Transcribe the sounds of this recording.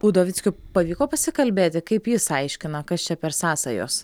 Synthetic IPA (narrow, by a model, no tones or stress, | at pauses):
ʊd̪oːʋʲɪtt͡ssʲkʲʊpɐʋʲiːkoːpɐsʲɪkɐlʲbʲeːt̪ʲɪkɐɪpjɪsɐɪʃʲkʲɪnɐkɐst͡ʃʲɛpʲɛɾsɑːsɐjo̰ːs